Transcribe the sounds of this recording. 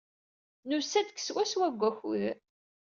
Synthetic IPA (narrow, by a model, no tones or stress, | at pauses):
nʊsæd̪əkːswæswæɡʷːæçʊɾ